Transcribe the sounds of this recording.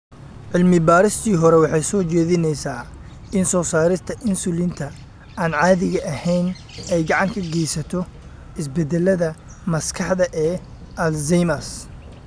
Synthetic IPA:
ʕɪlmɪbaːɾɪst̪ʰiːɦɔɾɛwɑħɑjsɔːt͡ʃɛːðɪnɛjsaː | ɪnsɔːsaːɾɪst̪ʰɐʔɪnsʊlɪnt̪ʰɐ | aːnʕɑːðɪɣɐʔɐhɛjn | ɛjɡɑʕɑŋkʰɐɡɛjsɐt̪ʰɔ | ʔɪs̬bɛd̪ɛlɐðɐ | mɐskʰɑħðɐʔɛː | ʔɐlzɛjmɐs

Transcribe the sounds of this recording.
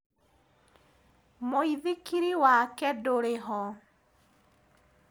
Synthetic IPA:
moiðikiɾiwakɛdoɾeɦɔ

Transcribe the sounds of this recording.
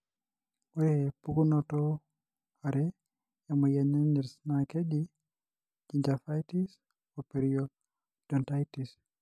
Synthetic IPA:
wɛpukunɔtɔ | aɾɛ | jamɔjaɲaɲɛɾsnaked͡ʒi | d͡ʒiɲd͡ʒafajtis | ɔpeɾiɔ | d̥ɔntajtis

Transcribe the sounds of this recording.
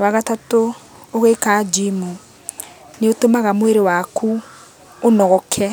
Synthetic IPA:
waɣatato | oɣekad͡ʒimu | neotomaɣamweɾewakʰu | onɔɣɔkʰɛ

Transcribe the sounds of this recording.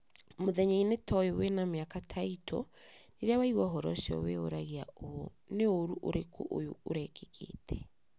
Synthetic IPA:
moðɛɲainetʰɔjowenameakatʰaitʰoneɾeawaiɣwɔɦɔɾɔ̰ʃɔ̰weoɾaɣeaoo | neoɾuʔoɾekʰo̰ʔojooɾɛkʰekʰḛtʰɛ̥

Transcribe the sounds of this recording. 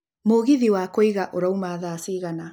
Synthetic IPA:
moɣiðiwakoiɣaʔoɾaumaðaːsiːɣana

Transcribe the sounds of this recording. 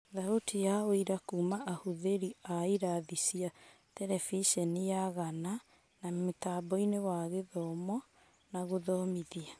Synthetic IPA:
ðaɾotijaoiɾakuːmaʔahuðeɾiaiɾaðisia | tɛɾɛfiʃɛnijaɣana | nametaːbɔinewaɣeðɔmɔ | naɣoðɔmiðia

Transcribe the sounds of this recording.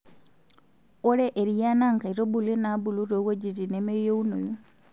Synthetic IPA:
oɾeʔːɾijanaŋkaiɾobulenabuluɾowed͡ʒitinemejouno̰ju

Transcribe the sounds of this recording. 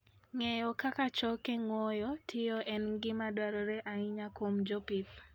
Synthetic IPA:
ŋɛjɔkakat͡ʃɔkeŋwɔjɔtʰɪjɔʔɛnɡɪmadwaɾɔɾɛʔaiɲakomd͡ʒɔpip

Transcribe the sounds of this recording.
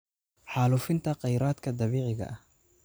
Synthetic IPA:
ħɑːlufɪnt̪ʰɐqɑjɾaːd̪kʰɐd̪ɑβiːʕɪɣɐ̰ʔɐh

